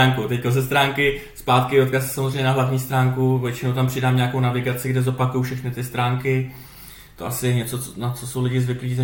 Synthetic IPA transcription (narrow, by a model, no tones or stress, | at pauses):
aːŋkowt̪ɛckozɛst̪ɾaːŋkɪ | spaːt̪kɪdo̞t̪̚kasɛ̥samozrejɲɛnaɦlavɲiːst̪ɾaːŋkuvjɛt͡ʃɪnowt̪ampr̥ɪdaːmɲaako̞wnavɪɡat͡sɪɡdɛzo̞pakujowfʃɛxnɪt̪ɪst̪ɾaːŋkɪ | t̪oʔasɪjɛɲɛt͡so̞onat͡so̞so̞wlɪɟɪzvɪkliːzɛ